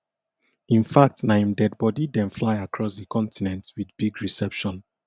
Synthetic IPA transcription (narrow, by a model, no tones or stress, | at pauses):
ĩnfak̚tnaɪ̃mdɛd̚bɔdidɛ̃nflaɪakʰɹɔsðəkʰɔ̃ntʰinɛ̃ntwiðbiɡɹisɛpʃɔ̃n